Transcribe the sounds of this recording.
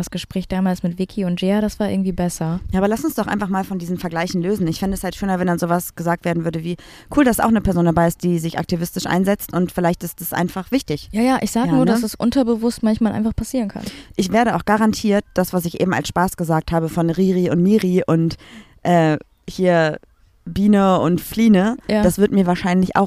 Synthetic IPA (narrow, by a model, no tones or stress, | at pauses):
asɡ̥əʃpʁ̥ɛːçd̥aːmaːlsmɪtv̥ɪkʰiʊntʒ̥eːaɾasv̥aːɐʔɪɐɡŋ̩tv̥iːbɛsɐjaːʔːbɐlasʊnsd̥ɔχʔa̰ɪnfaχmaːlfɔndiːzn̩fɛɐɡlaɪçn̩løːzn̩ɪçfɪndəɛshaltʃøːnɐvɛndanzoːvasɡ̥əzaːk̚tveːɐdn̩vʏɐɾəviː | kʰuːldasa̰ʊxnəpʰɛɐzoːndabaɪɪst̚d̥iːzɪçʔa̰k̚tivɪstɪʃʔa̰ɪnzɛt͡stʔʊntfɪlaɪçtɪstasʔa̰ɪnfaχv̥ɪçtɪçjaːjaːʔɪçz̥aːɡaənuːɐdasɛsʔʊ̰ntɐbəvʊstmançmaːlʔa̰ɪnfaχpʰasiːʁnkʰa̰nʔɪçv̥eːɐɾəaʊxɡ̥aʁantʰiːɐt̚d̥asv̥as̬ɪçʔḛːbm̩a̰lsʃpaːsɡ̥əzaːk̚thaːbəfɔnʁiːʁiʊntmiːʁiʔʊnt | ʔɛː | hiːɐ | biːnəʊntfliːnəd̥asv̥ɪɐtmiːɐvaːɐʃaɪnlɪça̰ʊ